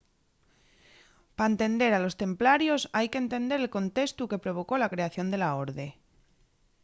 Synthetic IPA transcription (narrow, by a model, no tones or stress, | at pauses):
paent̪e̞nd̪e̞ɾalo̞st̪e̞mplaɾjo̞sajkent̪e̞nd̪e̞ɾelko̞nt̪e̞st̪uke̞pɾo̞β̞o̞ko̞lakɾe̞aθjo̞nd̪e̞lao̞ɾðe̞